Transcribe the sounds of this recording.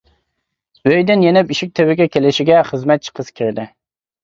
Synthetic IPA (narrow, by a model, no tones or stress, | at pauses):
øjd̪ɪnjenɪpiʃɪk̚ʲt̪ʰɪwɪɡʲɛkʲʰelɪʃɪɡʲɛχɨzmɛt̪̚t͡ʃʰə̥qʰəzkʲʰɪɾd̪ɪ